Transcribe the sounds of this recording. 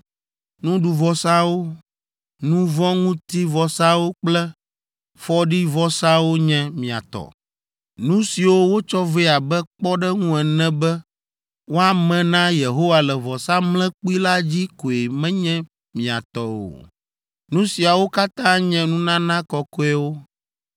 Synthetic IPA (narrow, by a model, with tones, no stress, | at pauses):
nũ˦ɖu˨vɔ˨sa˦wo˦ | nũ˦vɔ̃˦ŋũ˦t̪i˦vɔ˨sa˦wo˦k͡plɛ˦ | fɔ˦ɖi˦vɔ˦sa˦wo˦ɲɛ̃˦mĩ˨a̰˨t̪ɔ̰˨ | nũ˦si˨wo˦wo˦t͡ʃɔ˦ve˦a˨bɛ˦k͡pɔ˦ɖɛ˦ŋũ˦ɛ˨nɛ̃˦bɛ˦ | wo˦a˨mɛ̃˨nã˦je˨ɦo˦wa˨lɛ˨vɔ˨sa˦mlɛ̃˦k͡pu˦i˦la˦d͡ʑi˦ko˨e˨mɛ̃˦ɲɛ̃˦ | mĩ˨a̰˨t̪ɔ˦wo̰˨ | nũ˦si˨a˨wo˦ka˦t̪ã˦ɲɛ̃˦nũ˦nã˦nã˦kɔ˨kɔ˦ɛ˦wo˦